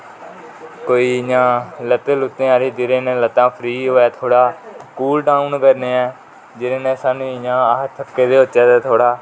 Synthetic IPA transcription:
koːiːjãːlət̪ːeːlʊt̪ːẽːaːɾeːd͡ʒ̪ɪɾẽːnɛ̃ːlət̪ːãːpʰɾiːɦoːɛːt̪ʰoːɽaːkuːlɖaːunkəɾneːɛː | d͡ʒɪɾẽːnɛ̃ːsaːnũːjãːaːɦət̪t̪ʰːəkːeːd̪eːʊtːʃaːd̪ɛːt̪ʰoːɽaː

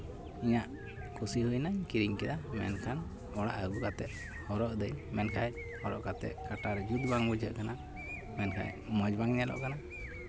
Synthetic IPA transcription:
iɲaʔ | kʰusiɦujnaɲkiɾiŋkɛd̪amɛ̰nkʰan | ɔɽa̰ʔəɡukat̪ɛt̪̚ | hɔɾɔʔd̪əjɲmɛnkʰaj | hɔɾɔʔkat̪ɛ̰t̪̚kaʈaɾɛd͡ʒut̪̚baŋbud͡ʒʱəʔkana | mɛnkʰa̰j | mɔd͡ʒbaŋɲɛlɔ̰ʔkana

